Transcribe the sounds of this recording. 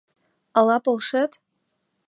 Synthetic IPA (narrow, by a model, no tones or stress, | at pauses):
alapʼɨlʂɨtʼ